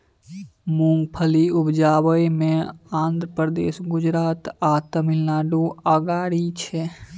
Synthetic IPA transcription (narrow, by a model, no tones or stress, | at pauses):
mũŋɡpʰəliʊbd͡ʒaːbəjmẽãːnd̪ɾəpɾəd̪ḛːsɡʊd͡ʒɾaːt̪at̪əmɪlnaːɖuəɡaːɽit͡ʃʰɛ